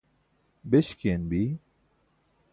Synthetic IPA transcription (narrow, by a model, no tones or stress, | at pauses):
beʃkenbi